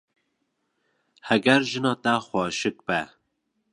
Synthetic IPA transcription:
hɛɡɛɾʒɨnɑːt̪æxʷɑːʃɨk̚bɛ

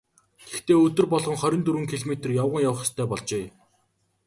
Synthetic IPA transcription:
t̪ext̪eːɵt̪ɵ̆rpɔɮʁɞ̆ŋχœɾʲɪ̆nt̪uɾɘ̆ŋkʰiɮmet̪̆rjawʁə̆ŋjawə̆χ̆st̪ʰœːpɔɮt͡ɕeː

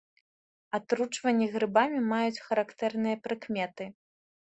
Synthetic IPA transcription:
at̪ɾut͡ʂvɐnʲːiɣɾɨbamʲimajut͡sʲxɐɾakt̪ɛrnɨjɐpɾɨkmʲɛt̪ɨ

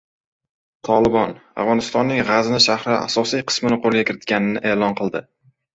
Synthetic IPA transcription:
t̪ʰɒlɪbɒna̰vʁɒnɪst̪ɒnːɪŋʁazɪnɪʃahɾɪa̰sɒsijqʰɨ̥smɪnɪqʰolˠɡʲakʲɪɾɪt̪̚kʲanɪnɪʔeːlɒnqʰɨlˠd̪ɪ

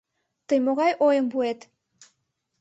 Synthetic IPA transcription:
t̪əjmoɣɑjʔojəmbuet̪

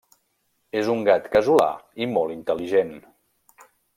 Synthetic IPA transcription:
ezuŋɡat̪kəzula̰imɔlˠint̪əliʒen

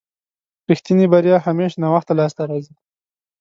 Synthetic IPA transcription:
pixt̪inibaɾjɑhameʃnɑwaxt̪alɑs̬t̪aɾɑzi

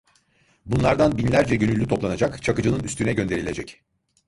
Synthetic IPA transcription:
bunlˠaɾd̪anbinlʲæɾd͡ʒɛɟø̞nylʲːyt̪ʰo̞plˠanad͡ʒakt͡ʃʰakɯd͡ʒɯnɯnyst̪ʰynɛɟø̞nd̪e̞ɾilʲed͡ʒɛc

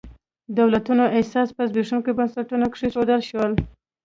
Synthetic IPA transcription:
d̪awlat̪unoʔɪsɑspəzbeʂunkobansaʈunakʂiʂod̪əlʃwəl

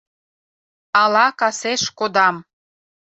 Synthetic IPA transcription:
ɑlɑkɑseʃkod̪ɑm

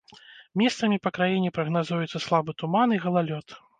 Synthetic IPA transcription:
mʲɛst̪sɐmʲipɐkɾajinʲɛpɾɐɣnazujɛt̪sːɐslˠabɨt̪umaniɣɐlˠalʲɔt̪

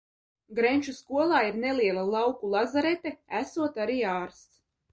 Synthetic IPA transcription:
ɡɾenʲt͡ʃuskuɔlˠaːiɾneliɛlˠalˠawkulˠazaɾet̪ɛæsuɔt̪aɾiːaːɾst̪s

